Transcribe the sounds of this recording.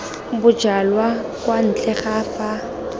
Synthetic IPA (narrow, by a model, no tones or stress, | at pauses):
bʊd͡ʒalwakwan̩t͡ɬɛχaːfa